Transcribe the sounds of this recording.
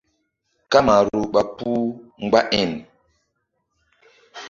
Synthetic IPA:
ka˦ma˨ɾɾu˨ɓa˨pu˦ŋ̩˦˨ɡ͡ba˦ʔɛ˦˨n

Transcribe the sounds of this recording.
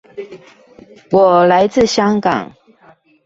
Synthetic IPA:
wɔ˨˩la˧˦ɪt͡sɹ̩˥˨ɕjɑ˥ŋkɑ̰˨˩˦ŋ

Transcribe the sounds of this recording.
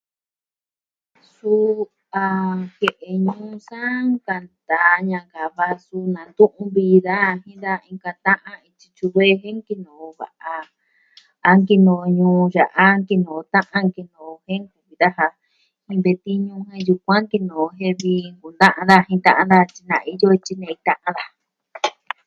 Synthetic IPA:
su˦ | a˧he˨ʔe˧ɲũː˧˦sã˦ŋka˧nd̪a˨˧ɲã˧ŋka˨βa˧su˧nã˨nd̪ũ˦ʔũ˧βi˧ða˦˧hĩ˦d̪a˦˧ĩ˧ŋka˧t̪ã˦ʔã˦i˧t͡ʃi̥˧t͡ʃu˧βe˦˧ɦẽ˦ŋki˧nõ˨˧βa̰˨ʔa˧ | a˧ŋki˧nõ˧˨˧ɲũː˧ʒa˨ʔa˦ŋki˧nõ˨˧t̪ã˦ʔã˧ŋki˧nõ˨o˧hẽ˦ŋku˧βi˧ða˦ɦa˧ | hĩ˧βe˧t̪i˦ɲũ˧ɦẽ˧ju˧kʷã˦ŋki˧nõ˨˧ɦẽ˦βi˧ŋku˨nd̪ã˦ʔã˧nd̪a˦˧hĩ˧t̪ã˦˧ʔã˧nd̪a˧t͡ʃi˧nã˧˨˧i˧jo˦˧t͡ʃi˧nẽ˧i˧t̪ã˦˧ʔã˧˦ða˧

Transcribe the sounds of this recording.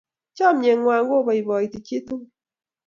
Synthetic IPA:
t͡ʃɔ˦˨mɲe˨ŋwa˨ŋɡo˦βɔ˨i˨βɔ˨i˨ti˨t͡ʃi˦to˦

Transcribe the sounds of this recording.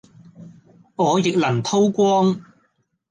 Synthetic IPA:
ŋɔː˨˧jɪ˨k̚lɐ˨˩ŋt̪ʰo˥wkʷɔː˥ŋ

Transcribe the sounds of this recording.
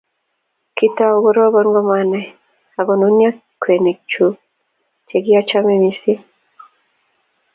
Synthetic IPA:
ki˦ta˦o˨ɡɔ˦ɾɔ˦ɡɔ˦nɡɔ˦ma˦nɛ˨ | a˨ɡɔ˨nu˦nja˦ | kwe˨ne˨k̚t͡ʃu˦ | te˨ɡi˦a˦t͡ʃa˦me˦mi˦si˦

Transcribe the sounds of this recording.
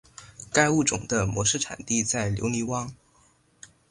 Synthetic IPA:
ka˥ɪu˥˩ʈ͡ʂʊ̰˨˩ŋd̪ə˦mwɔ˧˥ʂɻ̩˥˩ʈ͡ʂʰa̰˨˩nt̪i˥˧t͡sa˥˩ɪljo̰˧˥ʊli˧˥wɑ˥ŋ

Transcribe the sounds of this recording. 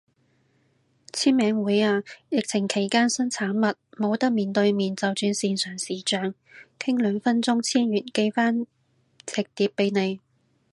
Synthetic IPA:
t͡sʰiː˥nmɛː˨˥ŋwuː˨˥jaː˧jɪ˨k̚t͡sʰɪ˨˩ŋkʰe˨˩jkaː˥nsɐ˥nt͡sʰaː˨˥nmɐ˨t̚mo˨˧wt̪ɐ˥k̚miː˨nt̪ɵ˧ɥmiː˨nt͡sɐ˨˧wt͡ʃyː˧nsiː˧nsœː˨˩ŋsiː˨˩t͡ʃœː˨˧ŋ | kʰɪ˥ŋlœː˨˧ŋfɐ˥nt͡sʊ˥ŋt͡sʰiː˥njyː˨˩nke˧jfaː˥n | t͡sʰɪ˨k̚t̪iː˨˧pːe˨˧jne˨˧j

